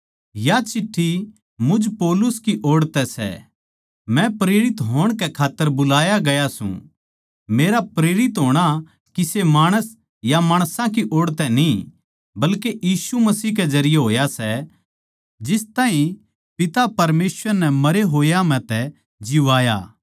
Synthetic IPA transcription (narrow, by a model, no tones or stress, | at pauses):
jat͡ʃɪʈʰːi | mʊd͡ʒpɔːlʊskiʔoːɽt̪ɛsɛ̰ | mɛ̃pɾeːɾɪt̪ɦoːɽ̃kɛkʰaːt̪ːəɾbʊlaːjaɡɐjasṵ̃ | meːɾapɾeːɾɪt̪ɦoːɽ̃a | kisemaːɽ̃əs | jamaːɽ̃sãk̬iʔoːɽt̪ɛnĩ | bɐlkejiːsumɐsiːɦkɛd͡ʒɐɾɪjɛɦoːjasɛ | d͡ʒɪst̪ãːɦĩ | pɪt̪apɐɾmeːsʋəɾnɛmɐɾeɦoːjamɛ̃t̪ɛ | d͡ʒɪʋaːjaː